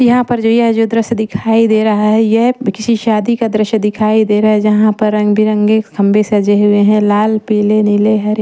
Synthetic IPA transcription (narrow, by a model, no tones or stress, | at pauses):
jɐɦãpɐɾd͡ʒoːjɐɦd͡ʒoːd̪ɾəʃd̪ɪkʰaːid̪eːɾɐɦaɦɛjɛkɪsiʃaːd̪ikad̪ɾəʃəd̪ɪkʰaːid̪eːɾaaɛd͡ʒɐɦãpɐɾːɐ̃ŋɡbʱiɾɐ̃ŋɡeɡʰɐ̃mbesɐd͡ʒeɦʊeɦɛ̃laːlpiːlenɪleɦɐɾ